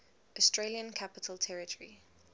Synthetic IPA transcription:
ɔstɹeljə̃nkʰapɪtʰəltʰɛɹɪtʰəɹi

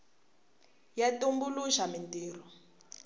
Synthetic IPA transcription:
jatumbuluʃamintiːrɔ

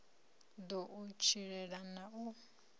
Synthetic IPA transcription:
d̪ɔʔut͡ʃʰiɺɛɺanau

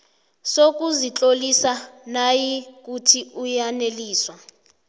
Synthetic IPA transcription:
sok̬uzit͡ɬʼolisanajik̬utʰiujaneliːswa

